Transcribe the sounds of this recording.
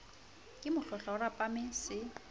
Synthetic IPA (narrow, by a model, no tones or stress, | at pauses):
kʼɪmʊɬɔɬaʊrapʼamɛsɪ